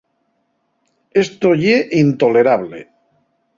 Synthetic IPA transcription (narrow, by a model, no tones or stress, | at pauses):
est̪oʎeʔint̪ole̞ɾaβlḛ